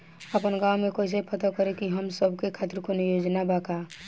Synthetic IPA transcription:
əpənɡawmekoɪs̬epʰət̪əkəɾekiɦəmsəbʱkekʰat̪iɾkonjod͡ʒnabaka

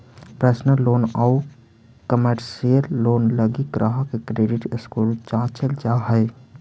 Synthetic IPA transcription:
pɾəsnəlːoːna | kəməʈsijəɾːoːnləɡikɾʔaɦkekɾeːɖɪʈɪskuːlt͡ʃãːt͡ʃəld͡ʒaːɦɛɪ

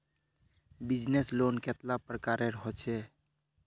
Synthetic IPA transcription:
bid͡ʒneslonket̪lapɾəkaɾeɾəɦɔt͡ʃʰɛ

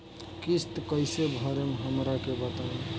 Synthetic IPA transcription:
kist̪kəɪsebʱəɾemɦəmɾakebət̪aũ

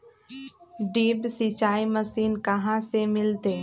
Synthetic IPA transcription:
ɖeːbsit͡ʃaːiməsiːnkɐɦãsemɪlt̪eː

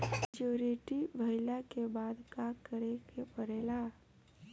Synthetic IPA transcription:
d͡ʒoɾeʈibʱəɪlakebaːd̪kakəɾekepəɾeːla

